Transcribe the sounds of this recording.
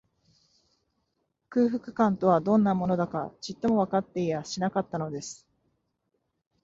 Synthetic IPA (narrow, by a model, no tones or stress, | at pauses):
kɯ̟ːɸɯ̟kɯ̟̥kãnt̪o̞β̞ad̪õ̞nːamo̞no̞d̪akat͡ɕit̪ːo̞mo̞β̞akat̪ːe̞ijaɕinakat̪ːano̞d̪e̞sɨ̥